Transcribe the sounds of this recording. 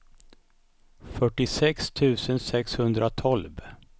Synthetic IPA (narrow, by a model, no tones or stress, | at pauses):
fœʈːɪsɛkst̪ʰʉ̟ːsənsɛkshɵnd̪ɾʔat̪ʰɔlv